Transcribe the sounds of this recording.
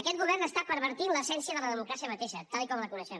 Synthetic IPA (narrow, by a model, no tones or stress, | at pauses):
əkɛt̪̚ɣuβɛrnəst̪apəɾβəɾt̪inləsɛnsiəðələðəmukɾasiəmət̪eʃət̪alˠikɔmləkunəʃɛm